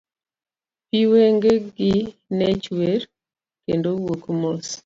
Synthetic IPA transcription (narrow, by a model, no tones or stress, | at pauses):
piweŋɡeɡinɛt͡ʃweɾ | kendowokmos